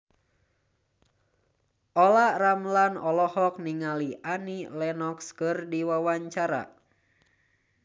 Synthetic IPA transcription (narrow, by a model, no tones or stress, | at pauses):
ʔɔlaramlanɔlɔhɔk̚niŋaliʔanilɛnɔkskɨrdiwawaɲt͡ʃaɾa̰